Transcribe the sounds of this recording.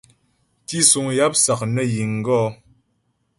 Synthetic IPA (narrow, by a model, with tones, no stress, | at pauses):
ti˦su˨ŋja˦p̚sa˨k̚nə˦ji˨ŋ˨ɡɔ˦˨